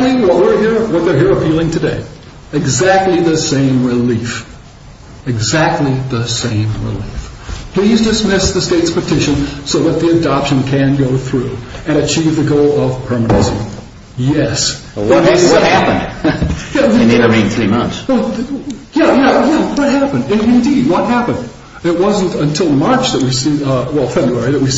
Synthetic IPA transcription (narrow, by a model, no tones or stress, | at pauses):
mĩŋwʌt̚wɪɹhiɹwʌðə˞ɦiɹəpʰilˠɪ̃ŋtʰɨdḛɪ | ɨɡzæk̚tˡliðɨsẽɪ̃mɹɪlif | ɨɡzæk̚tˡliðəsẽɪ̃mɹɪ̰lifpʰl̥izdɨsmɪsðɨsteɪtspɨtʰɪʃɨ̃nsoʊðət̪̚ðiɨdɑpʃɨ̃nkʰɨ̃nɡoʊθɹʉɨ̃ɾ̃ɨt͡ʃʰivðɨɡoʊlˠʌv̥pʰɜ˞mɨnɨsḭ̃m | jɛs | wʌæwʌt̚hæpɨ̰̃nd̥jæneəɹĩɪ̃nθɹimʌ̃nθswɛ | jæjæjæwʌt̚ɦæpɨ̃ndɨ̃nɪ̃ndid̚wʌt̚ɦæpɨ̃nd | ɪt̚wʌz̃n̩tɨ̃ntʰɪlˠmɑɹt͡ʃðɨt̚wisiwɛlˠfɛbɹuɛɹiðɨt̚wi